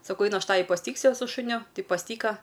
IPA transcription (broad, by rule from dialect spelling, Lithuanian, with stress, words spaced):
sɐˈkɐʊ ˈɐɪnʊ ˈɐʃ ˈtɑːʋʲɪ pɐsʲɪˈtʲiːksʲʊ sʊ ʃʊˈnʲʊ ˈtɐɪ pɐsʲˈtʲiːkɐ